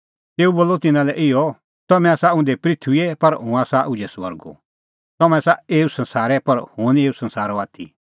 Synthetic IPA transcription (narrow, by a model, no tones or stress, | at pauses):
t̪eːuboːlːɔt̪ɪnãlɛʔɪɔ | t̪ɔmɛ̃aːsaʊ̃nd̪epɾit̪ʰuiepɐɾɦʊ̃aːsaʔʊ̃d͡ʒɛsʋɐ̰ɾɡo̰ | t̪ɐmɛ̃saeːusɐ̃nsaːɾɛpɐɾhʊneːusɐ̃nsaːɾɔaːt̪ʰḭ